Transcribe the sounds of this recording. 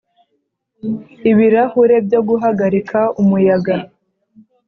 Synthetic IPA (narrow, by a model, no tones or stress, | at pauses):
iβiɾahuɾe̞bjo̞ɡuɦaɡaɾikʰaumujaɡa